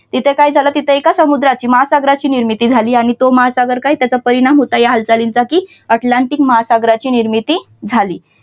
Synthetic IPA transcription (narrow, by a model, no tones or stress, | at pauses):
t̪it̪ʰekaid͡zʱalat̪it̪ʰeekasəmud̪ɾat͡ɕiːməɦasaɡɾat͡ɕiːniɾmit̪iːd͡zʱaliːaɽ̃it̪oməɦasaɡəɾkaɦiːt̪jat͡sapəɾiɽ̃amɦot̪ajaɦalt͡salint͡sakiː | əʈlaɳʈikməɦasaɡɾat͡ɕiːniɾmit̪iː | d͡zʱaliː